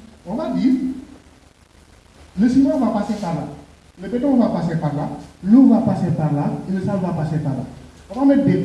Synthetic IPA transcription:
ɔ̃vadi | ləsimãvapasepaɾla | ləbɛtɔ̃ovapasepaɾlaluvapasepaɾlaeləsalvapasepaɾla̰ | ɔkamɛde

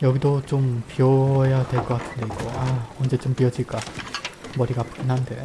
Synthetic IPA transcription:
jʌɡidot͡ɕompiʌjadwe̞ɭk͈ʌk͈atʰɯnde̞iɡoaʌnd͡ʑe̞t͡ɕompiʌd͡ʑiɭk͈a | mʌɾiɡapu̥inɦande̞̰

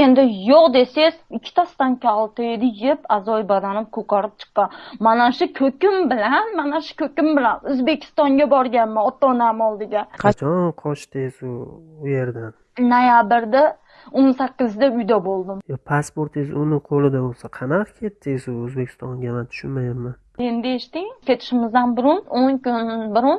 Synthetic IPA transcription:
e̞nd̪ɪjoqd̪e̞sezɪkʲʰːɪ̥t̪ast̪ankʲʰalˠt̪ʰed̪ɪjɪpazɒjbad̪anɪp̚kʰɵkaɾɪp̚t͡ʃʰɨ̥qːɑnmanaʃʊkʲʰɵkʲɪmbɪlanmanaʃʊ̥kʲʰɵkʲɪmbɪlanɵzbe̞kʲʰɪ̥st̪ɒŋɡʲabɒɾɡʲanmaɒt̪ːɒnamɒlˠd̪ɪɡʲaqʰɑt͡ʃʰɒnqʰɒʃt̪ɪzʊʊje̞ɾd̪an | nojabɪɾd̪a | onsakʲːɪzd̪aʊjd̪abolˠd̪ɪmjɒpʰaspoɾt̪ɪzʊnɪqʰolˠɪd̪abolˠsaqʰɑnɑqkʲʰe̞t̪ːɪzʊɵzbe̞kʲʰɪ̥st̪ɒnɡʲamant̪ʰʊ̥ʃʊnmajɪmman | e̞nd̪ɪeʃt̪ɪŋkʲʰe̞t̪ʰɪ̥ʃɪmɪzd̪anbʊɾʊnoŋkʲʊnbɪɾʊn

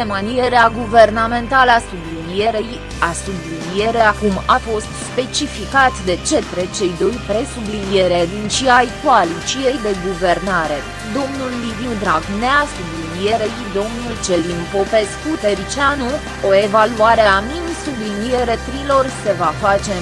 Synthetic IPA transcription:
emanije̞ɾeaɡuve̞rname̞nt̪aləasublinije̞ɾej | asublinije̞ɾe̞akumafo̞st̪spe̞t͡ʃifikat̪d̪e̞t͡ʃe̞t̪ɾe̞t͡ʃe̞jd̪o̞jpɾe̞sublinije̞ɾead̪int͡ʃiajkualit͡ʃijejd̪e̞ɡuve̞rnaɾe̞ | d̪o̞mnulːivind̪ɾaɡneasublinije̞ɾejd̪o̞mnult͡ʃe̞limpo̞pe̞skut̪eɾit͡ʃanu | oe̞valuaɾeamimsublinije̞ɾe̞t̪ɾilo̞rse̞vafat͡ʃe̞

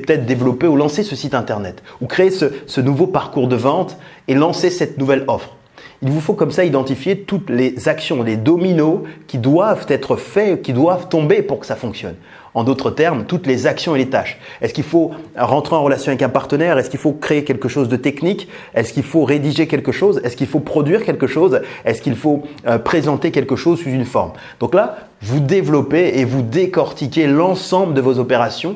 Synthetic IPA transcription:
pə̥t̪ɛt̪χd̪evlɔpeulɑ̃sesəsit̪ɛ̃t̪ɛʁnɛt̪ukχeesəsənuvopaʁkuʁd̪əvɑ̃t̪ | elɑ̃sesɛt̪nuvɛlɔfχ | ilvufokɔmsaid̪ɑ̃t̪ifjet̪ut̪lezaksjɔ̃led̪ɔminokʲid̪wavt̪ɛt̪χəfɛukʲid̪wavt̪ɔ̃bepuʁkə̥safɔ̃ksjɔ̰n | ɑ̃d̪ot̪χət̪ɛʁmt̪ut̪lezaksjɔ̃elet̪aʃ | ɛskilfoʁɑ̃t̪χeɑ̃ʁəlasjɔ̃avɛkɛ̃paʁt̪ənɛʁɛskʲilfokχeekʲɛlkəʃozd̪ət̪ɛknik | ɛskʲilfoʁed̪iʒekʲɛlkəʃozɛskilfopχɔd̪ɥiʁkʲɛlkəʃozɛskilfoøpχezɑ̃t̪ekʲɛlkəʃozsuzynfɔ̰ʁm | d̪̥ɔ̃kla | vud̪evlɔpeːvud̪ekɔʁt̪ikʲelɑ̃sɑ̃bləd̪əvozɔpeʁasjɔ̃

